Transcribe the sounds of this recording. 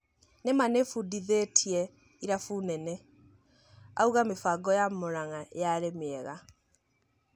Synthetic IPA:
nemanefudiðetʰiɛ | iɾafunɛnɛ | a̰uɣamefaɡɔjamoɾaŋajaɾemeɛɣa

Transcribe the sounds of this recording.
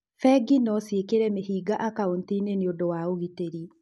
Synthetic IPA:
fɛɡinɔsiekeɾɛmeɦiːɡaʔakaont̪ineneondowaoɣiteɾi

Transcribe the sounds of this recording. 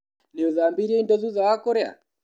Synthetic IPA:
niɔðambiɾiɛindɔzuðawakɔɾɛa̰

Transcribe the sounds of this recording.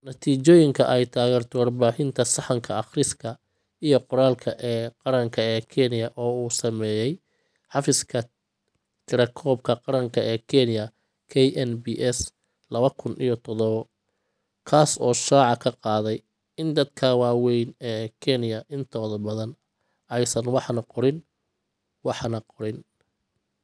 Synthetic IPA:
nɐt̪ʰiːt͡ʃɔːjɪŋkʰɐʔɛjt̪ʰaːɣɛːrt̪ʰɔwɑrbaːħɪnt̪ʰɐsɑħɑŋkʰɐɑχrɪskʰɐ | ijɞqʊɾaːlkʰɐʔɛːqɑɾɐŋkʰɐɛːkʰɛnɪjɐʔɔːuːsɐmɛːjɛj | ħɑfɪskʰɐ | t̪ʰɪɾɐkʰɔːb̚kʰɐqɑɾɐŋkʰɐʔɛːkʰɛnɪjɐ | kʰɛjɛnbiʔɛs | lɐβɐkʰʊnʔḭjɞt̪ʰɔðɔβɔ | kʰaːsɔːʃaːʕɑkʰɐqɑːðɛj | ɪnd̪ɐd̪kʰɐwɑːwɛjnɛːkʰɛnɪjɐʔɪnt̪ʰɔːðɐbɐðɐn | ɛjsɐnwɑħnɐqɔɾɪn | wɑħnɐqɔɾɪn

